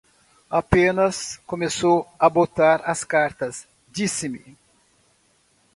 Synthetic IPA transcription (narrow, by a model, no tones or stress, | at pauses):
apẽnɐskomesowɐbot̪aɾɐskaɾt̪ɐs | d͡ʒisɪmɪ